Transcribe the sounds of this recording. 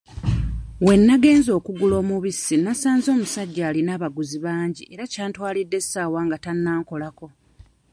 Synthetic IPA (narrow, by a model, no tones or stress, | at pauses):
we̞nːaɡe̞ːnzo̞ːkuɡulo̞ːmuβisːinasaːnzo̞ːmusaɟːaːlinaːβaɡuziβaːɲɟiʔe̞ɾacaːntwaːlidːe̞saːwaːŋɡatanːaːŋko̞lako̞